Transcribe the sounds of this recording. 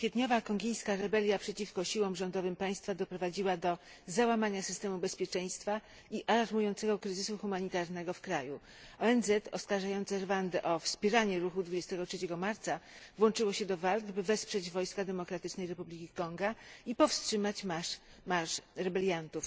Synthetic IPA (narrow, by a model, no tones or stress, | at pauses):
kfʲjɛt̪ɲɔvakɔŋɡʲejskaɾɛbɛlʲjapʂɛt͡ɕifkɔɕiwɔmʐɔnd̪ɔvɘmpaj̃st̪fad̪ɔpɾɔvad͡ʑiwad̪ɔ | zawamaɲasɘ̥st̪ɛmubɛspʲjɛt͡ʂɛj̃st̪fa | iʔalaɾmujɔnt̪sɛɡɔkɾɘzɘsuxumaɲit̪aɾnɛɡɔfkɾaju | ɔɛnzɛt̪ɔskaɾʐajɔnt̪sɛɾvand̪ɛʔɔfspʲjɛɾaɲɛɾuxud̪vud͡ʑest̪ɛɡɔtʂɛt͡ɕɛɡɔmaɾt̪savwɔnt͡ʂɘwɔɕɛd̪ɔvalɡbɘvɛspʂɛd͡ʑvɔjskad̪ɛmɔkɾat̪ɘt͡ʂnɛjɾɛpublʲikʲikɔŋɡaipɔfstʂɘmat͡ɕmamaʂɾɛbɛlʲjant̪uf